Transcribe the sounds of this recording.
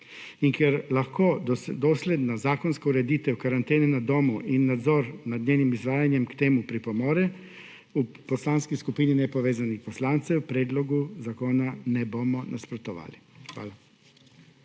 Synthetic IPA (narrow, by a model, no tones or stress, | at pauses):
iŋkɛɾlaxkoːd̪ɔsleːd̪nazaːkɔnskɔuɾɛd̪iːt̪ɛwkaɾant̪eːnɛnad̪oːmuʔinːad̪zɔːɾnad̪ɲʲeːnimizʋaːjanjɛmkt̪eːmupɾipɔmɔːɾɛ | u | pɔslaːnskiskupiːninɛpɔʋeːzanixpɔslaːnt̪sɛwpɾɛːd̪lɔɡuzakoːnanɛboːmɔnʔaspɾɔt̪ɔʋa̰ːlixʋa̰ːla